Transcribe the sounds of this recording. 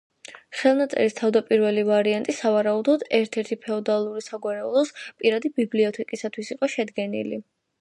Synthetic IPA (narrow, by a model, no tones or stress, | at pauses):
χɛlˠnat̪sʼɛ̰ɾist̪ʰavd̪apʼiɾvɛlivaɾiant̪ʼisavaɾaud̪ɔd̪ɛɾt̪ʰɛɾt̪ʰipʰɛɔd̪alˠuɾisaɡwaɾɛulˠɔspʼiɾad̪ibibliɔt̪ʰɛkʼisat̪ʰwisiqʼɔʃɛd̪ɡɛnḭli